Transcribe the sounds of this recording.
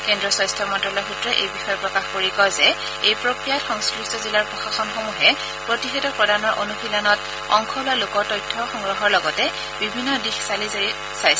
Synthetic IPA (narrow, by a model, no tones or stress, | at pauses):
kɛndɹɔsɔjstʰɔmɔntɔlɔjxutɹɔʔejbixɔjɔpɹɔkaxkoɹikɔzɛ | ejpɹokɹijatxɔŋskɹistɔzilaɹpɹɔxaxɔnxomuɦɛ | pɹotixɛtɔpɹɔdʱanɔɹʔonuxilanɔt | ɔŋxʰɔlʊalokɔɹtɔjtʰːɔxɔŋɹɔɦɔɹlɔɡɔtɛ | bibʱinːɔdixsalizeɹi | sajs